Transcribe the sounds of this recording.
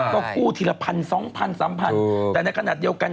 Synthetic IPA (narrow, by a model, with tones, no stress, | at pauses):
kɔː˥˩kuː˥˩t̪ʰi˨˩la˧pʰa˧nsɔː˩˦ŋpʰa˧nsaː˩˦mpʰa˧nt̪ɛː˨˩na˧jkʰnaː˨˩di˧əwka˧n